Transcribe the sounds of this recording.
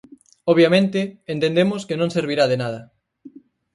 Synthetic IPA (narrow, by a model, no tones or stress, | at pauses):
oβjamẽnt̪ɪːnt̪ẽnd̪emoskenõŋseɾβ̞iɾaðenað̞ɐ